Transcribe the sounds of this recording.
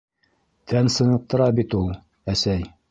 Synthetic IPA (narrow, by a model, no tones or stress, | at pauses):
t̪ʰænsɤ̆nɤ̆q̚t̪ɤ̆ɾɑbit̪ulˠ | æsæj